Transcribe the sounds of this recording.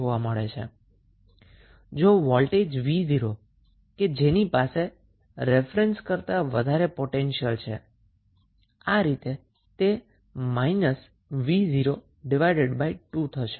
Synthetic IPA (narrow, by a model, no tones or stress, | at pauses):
oʋaməɭḛt͡ʃʰḛ | d͡ʒoʋɔlʈed͡ʒʋiziɾo | ked͡ʒenipase | ɾefɾenskəɾt̪aʋəd̪ʱaɾepoʈenʃiəlt͡ʃʰḛ | aɾit̪e | t̪e | mainəs | ʋiziɾo | ɖiʋajɖeɖbaiʈut̪ʰəʃe̥